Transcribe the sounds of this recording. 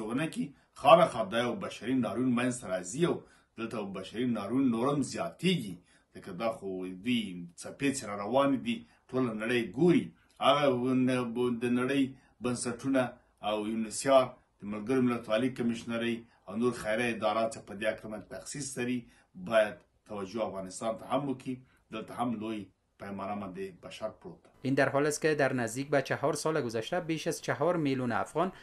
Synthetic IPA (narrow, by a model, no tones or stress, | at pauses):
oɣnaki | xɑnaxɑd̪ɑjawbaʃaɾinɑɾunmanzt̪aɾɑziaw | d̪̥əlt̪ajwbaʃaɾinɑɾunːoɾamzjɑt̪eɡi | zəkad̪ɑxod̪ujt͡sapet͡seɾaɾawɑnid̪i | ʈʰolanaɽəjɡoɾi | haɣa | d̪ənaɽəj | bansaʈunaː | wjunɪsjɑɾ | d̪̥əmɪlɡəɾomɪlat̪wɑlikamɪʃnaɾəj | awnoɾxajɾaɪd̪ɑɾat͡ʃepəd̪eakɾamat̪axsislaɾi | bɑjad̪ | t̪ːawad͡ʒoafɣɑnɪst̪ɑnt̪ahamwəki | d̪əlt̪ahamloj | pajmɑnamɑnd̪ebaʃaɾpɽot̪ḁind̪aɾɦɔlɪst̪kɪd̪aɾnazd̪ik̚bat͡ʃaɦɔɾsɑlaɡʊzaʃt̪abeʃazt͡ʃaɦɔɾmiluna̰fɣɔn